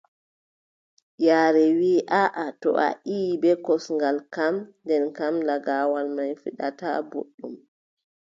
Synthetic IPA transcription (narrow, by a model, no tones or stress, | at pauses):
jaːɾɛwiːʔaʔatɔ̰ʔa̰ʔiːbɛkɔsŋɡalkamndɛnkamlaɡawalmajfiɗa̰ta̰bo̰ɗːum